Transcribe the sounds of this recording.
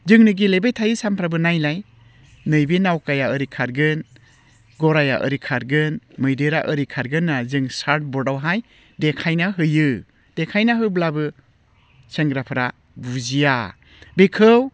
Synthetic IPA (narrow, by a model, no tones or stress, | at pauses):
zɯŋnɯɡilebejtʰajɯsampʰɾabɯnajlaj | nɯjbinawkajaɯɾikʰaɾɡɯn | ɡɔɾaja̰ʔɯ̰ɾikʰaɾɡɯnmɯjdɯɾaʔɯɾikʰaɾɡɯnːazɯŋsaɾt̚bɔdawɦaj | dekʰajnaɦɯjɯ | d̥ekʰajnaɦɯblabɯ | seŋɡɾapʰɯɾa | buzija | bikʰɯw